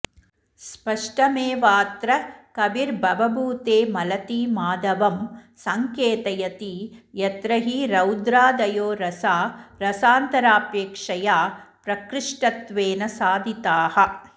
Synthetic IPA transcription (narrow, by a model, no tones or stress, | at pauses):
spɐʂʈɐmeːʋaːt̪ɾɐkɐʋiɾbʱɐʋɐbʱuːt̪eːmɐlɐt̪iːmaːd̪ɐʋɐmsɐŋkeːt̪ɐjɐt̪ijɐt̪ɾɐɦiɾɐwd̪ɾaːd̪ɐjoːɾɐsaːɾɐsaːnt̪ɐɾaːpeːkʂɐjaːpɾɐkɾɪʂʈɐt̪ʋeːnɐsaːd̪ʱit̪aːhɐ̆